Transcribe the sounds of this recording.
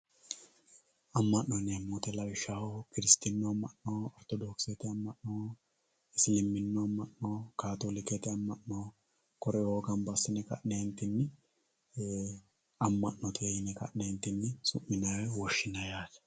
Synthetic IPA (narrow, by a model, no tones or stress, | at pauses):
ɐmːɐʔːɔnemːut̪ɛlɐwɪʃːahokɪɾɪst̪ɪnːɔɐmːɐʔnoːɔɾt̪ɔd̪oːksɛt̪ɛɐmːɐʔnoː | ɪslɪmːɪnːɔɐmːɐʔnoːkaːt̪oːlɪkɛt̪ɛɐmːɐʔnoː | kɔɾɛwoːɡɐnbɐsːɪnɛkɐ̰ʔnent̪ɪnːɪ | ɐmːɐʔːɔt̪ʰʼeːjɪnɛkɐ̰ʔneːnt̪ːɪnːɪsʊmːɪnɐwɛwɔʃːɪnɐjaːt̪